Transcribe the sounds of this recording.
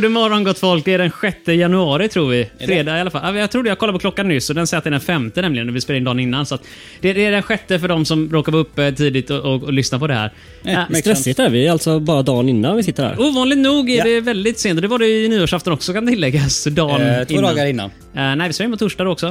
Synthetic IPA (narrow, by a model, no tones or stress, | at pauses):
nəmɔɾɔnɡɔt̪ːfɔlk̚d̪ɛːɖɛnɧɛt̪ːəjanɵɑːɾɪt̪ʰɾuːɾvɪfɾeːd̪ɑːɡɪalafalʔajɑɡt̪ʰɾuːɖɛjaɡkʰɔlaɾpɔklɔkːanːʏsːɔd̪ɛnsɛjɛat̪ɛːɖɛnfɛmt̪ənɛmlɪɡənɔvɪspeːlaɪnd̪ɑːnɪnːansɔat̪ | d̪ɛɖ̪ɛːɖɛnɧɛt̪ːəfœɖɔmsɔmɾoːkaɾvaɵpːət̪ʰiːd̪ɪt̪ɔʔɔlʏsnapɔd̪ɛhæ̰ːɾ | t̪ɾɛsɪt̪æɾvɪɛalt̪sɔbɑːɾad̪ɑːnɪnːanvɪsɪt̪ːəɾhæ̰ːɾuːvɑːnlɪɡ̪̚nuːɡɛɖɛvɛld̪ɪt̪seːnt̪ɔd̪ɛvaɖɛjniːoːʂaft̪ɔnɔksɔkant̪ʰɪlːɛɡːasd̪ɑːnt̪ɪːɑːɡaɾɪnːa̰n | nɛɪvɪselaɪnpɔt̪ʰʊʂʈad̪ɔksɔ